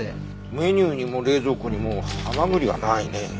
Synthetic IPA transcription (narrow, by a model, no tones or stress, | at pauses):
mɯ̟eɲʲɨːɲ̟imoːɾe̞ːzo̞ːkoɲ̟imoːhamaɡɯ̟ɾʲiβa̰naine̞